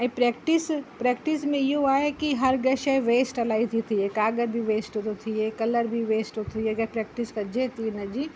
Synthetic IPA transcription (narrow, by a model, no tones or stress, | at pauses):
ɛ̃ːpɾɛːkʈɪspɾeːk̚ʈɪsmẽɪɦoaːɦekiɦɐɾɡɐʃeʋeːsʈɐlaːit̪ʰit̪ʰiekaːɡəɾbʱiʋeːsʈot̪ot̪ʰiekɐləɾbʱiʋeːsʈot̪ʰieɡɐpɾɛːk̚ʈɪskɐd͡ʒet̪ʰinɐd͡ʒiː